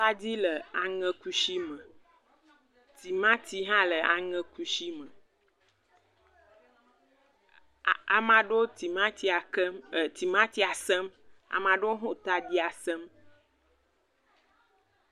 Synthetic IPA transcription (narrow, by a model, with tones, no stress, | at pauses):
ta˦di˦lə˨a˨ŋɛ̃˦ku˦ʃi˦mə˨ | t̪i˨mã˦t̪i˨˦ɦã˦lə˨a˨ŋɛ̃˦ku˦ʃi˦mə̃˨ | a˨mã˨ɖo˦i˨ma˦i˨˦˨t̪i˨mã˦t̪i˨˦a˨sɛ˦ma̰˨mã˨ɖo˦ɦõ˦t̪a˦d̪i˦a˨sɛ˦m